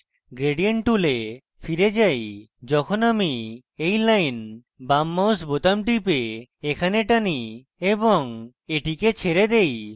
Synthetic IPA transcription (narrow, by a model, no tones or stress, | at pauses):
ɡɾeɖijeɳʈule | fʰiɾed͡ʒaj | d͡ʒɔkʰonami | ejlajn | bamːawsbot̪amʈipeekʰaneʈani | ebɔŋ | eʈiket͡ɕʰeɾed̪ej